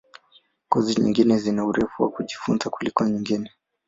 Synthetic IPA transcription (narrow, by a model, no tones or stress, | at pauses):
kɔziɲḭŋɡinɛzinauɾɛfuwa̰kuʄifunzakulikɔɲiŋɡinɛ